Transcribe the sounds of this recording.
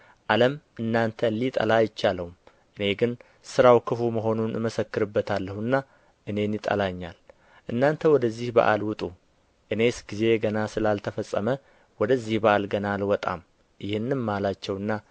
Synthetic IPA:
ʔaləmʔɨnːant̪ʰəlit̪ʼə̰lajɪt͡ʃːaləwum | ʔɨne̞ɡɨn | sɨɾawkʰɨfuməɦo̞nunʔɨ̰məsəkːɨɾɨbːət̪ʰalːəhuɨnːa | ʔɨne̞njɪt̪ʼə̰laɲːa̰l | ʔɨnːant̪ʰəwɔd̪əzːihbə̰ʔa̰lwʊt̪ʼu | ʔɨne̞sɡ̥ize̞ɡənasɨlalt̪ʰəfəsʼːəmə | wɔd̪əzːihbəʔalɡənalwɔt̪ʼa̰m | jɪhɨnːɨnmalat͡ʃːɛwɨnːa

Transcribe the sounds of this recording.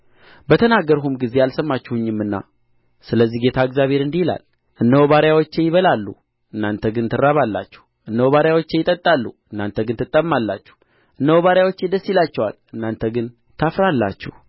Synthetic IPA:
bət̪ʰənaɡːəɾɦumɡizealsəmːat͡ʃːɛhuɲːɨmːɨnːa̰ | sɨləzːihɡe̞t̪ʰaɨɡzjaβhe̞ɾɨnd̪ihila̰l | ʔɨnːəwoβaɾjawot͡ʃːejɪβəlalːṵ | ʔɨnːant̪ʰəɡɨnt̪ʰɨraβalːa̰t͡ʃːɛ̥h | ʔɨnːəwoβaɾjawot͡ʃːejɪt̪ʼət̪ʼːalːuɨnːant̪ʰəɡɨnt̪ʰɨt̪ʼːəmmalːa̰t͡ʃːɛ̥h | ʔɨnːəwoβaɾjawo̞t͡ʃːed̪əsːjilat͡ʃːɛwa̰lɨnːant̪ʰəɡɨn | t̪ʰafɾalːa̰t͡ʃːɛ̰hu

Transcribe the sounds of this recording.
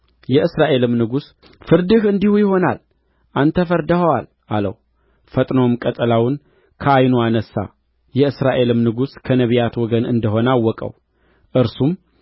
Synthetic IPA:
jɛɨsɾaʔe̞lɨmnɨɡus | fɨɾd̪ɨhɨnd̪ihujɪho̞na̰l | ʔant̪ʰəfəɾd̪əhəwal | ʔalə̰w | fət̪ʼnomkʼət̪ʼəlawɨn | kʰəajnuanəsːa̰ | jɛɨsɾaʔe̞lɨmnɨɡuskʰənəβijat̪wɔɡənɨ̰nd̪əɦo̞nawːɔkʼə̰w | ʔɨɾsum

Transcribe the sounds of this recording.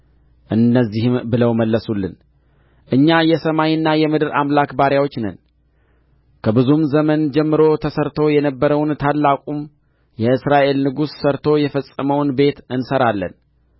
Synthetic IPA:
ʔɨnːəzːihɨmbɨləwməlːəsulːɨn | ʔɨɲːajɛsəmajɨnːajɛmɨd̪ɨɾʔa̰mlakbaɾjawo̞t͡ʃːnən | kʰəbɨzumzəmənd͡ʒɛmːɨɾo̞t̪ʰəsəɾt̪ʰo̞jɛnəbːəɾəwnt̪ʰalːakʼum | jɛɨsɾaʔe̞lnɨɡusːəɾt̪ʰo̞jɛfəsʼːəməwnbe̞t̪ɨnsəɾalːə̰n

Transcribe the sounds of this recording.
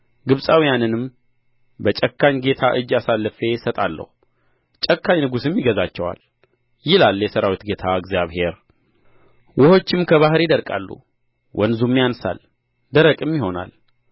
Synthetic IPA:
ɡɨβsʼawijanɨnɨm | bət͡ʃʼəkːaɲɡe̞t̪ʰaʔɨd͡ʒːasalːɨfe̞sət̪ʼalːə̰hu | t͡ʃʼəkːaɲnɨɡusɨmjiɡəzat͡ʃːɛwa̰l | jɪlaljɛsəɾawit̪ɡe̞t̪ʰaɨɡzjaβhe̞ɾ | wɔho̞t͡ʃːɪmkʰəβahɾid̪əɾkʼa̰lːṵ | wʔənzumːjansa̰l | d̪əɾəkʼɨmjiho̞na̰l

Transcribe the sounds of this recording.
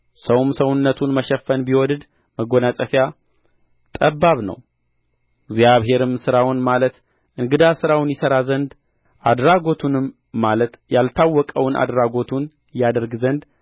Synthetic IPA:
səwmsəwʊnːət̪ʰunməʃɛfːənbiwɔlɨd̪ | məɡonasʼəfja | t̪ʼəbːaβnə̰w | ɡzjaβɦe̞ɾɨmsɨɾawʊnmalət̪ | ʔɨŋɡɨd̪asɨɾawnjɛsəɾazənd̪ | ʔad̪ɾaɡo̞t̪ʰunɨmː | alət̪jalt̪ʰawːɔkʼəwnʔa̰d̪ɾaɡo̞t̪ʰun | jad̪əɾɡzənd̪

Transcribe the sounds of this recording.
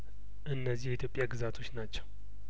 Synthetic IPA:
ʔɨnːəzːijɛit̪ʰjo̞pʼjaɡɨzat̪ʰo̞t͡ʃːnat͡ʃːɛw

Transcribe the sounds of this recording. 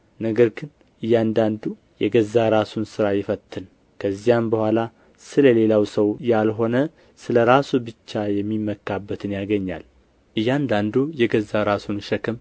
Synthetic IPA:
nəɡəɾɡɨn | ʔɨjːand̪and̪u | jɛɡəzaɾasunsɨɾajɪfət̪ʰːɨn | kʰəzːijambəhʷala | sɨləle̞lawsəwjalɦo̞nə | sɨləɾasubɨt͡ʃːajɛmːimːəkːabːət̪ɨnjaɡəɲːa̰l | ʔɨjːand̪and̪ujɛɡəzaɾasunʃɛkʰɨm

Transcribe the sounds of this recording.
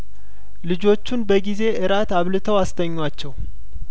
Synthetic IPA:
lɨd͡ʒo̞t͡ʃːunbəɡize̞ʔɨɾat̪aβlɨt̪ʰəwast̪ʰəɲːwat͡ʃːɛw

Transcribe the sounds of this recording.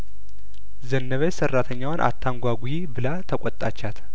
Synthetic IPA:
zənːəβəjsərːat̪ʰəɲːawanʔa̰t̪ʰːaŋɡʷaɡʷujibɨlat̪ʰəkʷʼɔt̪ʼːat͡ʃːat̪

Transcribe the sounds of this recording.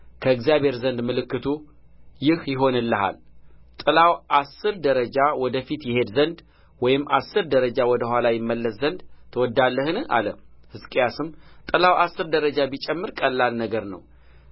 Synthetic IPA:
kʰəɨɡzijabhe̞ɾzənd̪mɨlɨkːɨt̪ʰu | jɪhjɪɦo̞nɨlːəha̰lt̪ʼɨlawʔasːɨɾd̪əɾəd͡ʒawɔd̪əfit̪jɪhe̞d̪zənd̪ | wɔjɪmːʔasːɨɾd̪əɾəd͡ʒawɔd̪əhʷwalajɪmːəlːəszənd̪t̪ʰəwɔd̪ːalːəhɨnɨʔa̰ləhɨskʼejasɨmt̪ʼɨlawʔasːɨɾd̪əɾəd͡ʒabit͡ʃʼɛmːɨɾkʼəlːalnəɡəɾnə̰w

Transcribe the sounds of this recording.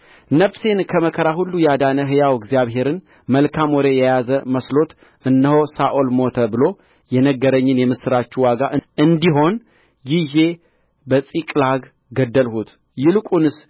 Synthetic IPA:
nəfsenkʰəməkʰəɾahulːujad̪anəɦɨjawɨɡzijaβɦe̞ɾɨn | məlkʰamoɾejɛjazəməslo̞t̪ | ʔɨnːəɦo̞saʔo̞lmo̞t̪ʰəbɨlo̞ | jɛnəɡːəɾəɲːɨnjɛmɨsɨɾat͡ʃːuwaɡaʔɨʔɨnd̪iɦo̞n | jiʒe̞ | bəsʼikʼlaɡ | ɡəd̪ːəlhut̪ | jɪlɨkʼunɨs

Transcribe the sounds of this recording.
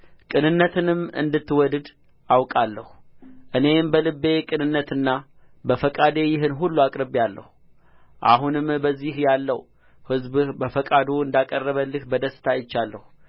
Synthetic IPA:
kʼɨnɨnːət̪ʰɨnɨmɨ̰nd̪ɨt̪ːɨwɔd̪ɨd̪ | ʔawkʼalːəhuʔɨne̞mbəlɨbːe̞kʼɨnɨnːət̪ɨnːa | bəfəkʼad̪e̞jɪɦɨnɦulːuakʼɾɨβjalːə̰hu | ʔa̰ɦunɨmbəzːihjalːəw | hɨzbbəfəkʼad̪uɨnd̪akʼərːəβəlːɨkbəd̪əsːɨ̥t̪ʰajɪt͡ʃːalːəhu

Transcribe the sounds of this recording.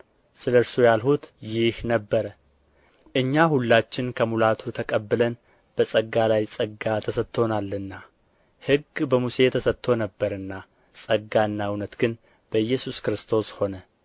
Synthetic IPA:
sɨləɨɾsojalhut̪jɪhnəbːəɾə | ʔɨɲːahulːat͡ʃːɪnkʰəmulat̪ʰut̪ʰəkʼəbːɨlən | b̥əsʼəɡːalajsʼəɡːat̪ʰəsət̪ʰːo̞nalːɨnːa | hɨɡbəmuse̞t̪ʰəsət̪ʰːo̞nəbːəɾɨnːa | sʼəɡːaɨnːawnət̪ɡɨn | b̥əjɛsuskɾɨst̪ʰo̞sho̞nə

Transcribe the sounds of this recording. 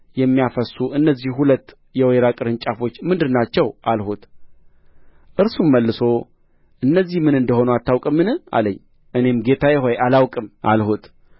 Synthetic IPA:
jɛmːijafəsːuʔɨnːəzːihhulət̪ː | jɛwɔjɾakʼɨɾɨnt͡ʃʼafo̞t͡ʃːmɨnd̪ɨnːat͡ʃːɛwʔalhut̪ʰʼ | ʔɨɾsumːəlːɨso̞ | ʔɨnːəzːihmɨnɨnd̪əho̞nəat̪ːawkʼɨmːɨnɨa̰ləɲː | ʔɨne̞mɡe̞t̪ʰajɛɦo̞jalawkʼɨmʔa̰lhut̪ʼ

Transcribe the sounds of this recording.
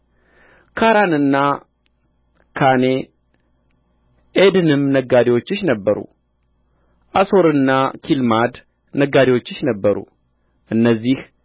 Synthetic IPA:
kʰaɾanɨnːa | kʰane̞ | ʔed̪ɨnɨmnəɡːad̪iwo̞t͡ʃːɪʃnəbːəɾṵ | ʔaso̞ɾɨnːakʰilmad̪ | nəɡːad̪iwo̞t͡ʃːɪʃnəbːəɾṵ | ʔɨnːəzːih

